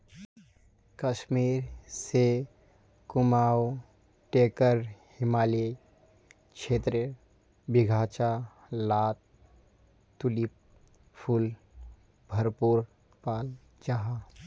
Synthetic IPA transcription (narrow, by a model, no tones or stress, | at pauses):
kəʃmiɾse | kumaw | ʈekəɾhɪmaːli | t͡ʃʰet̪ɾə | biɡʱat͡ʃa | lat̪̚ | t̪ːulip̚ | pʰul | bʱəɾpuɾ | pal | d͡ʒaɦa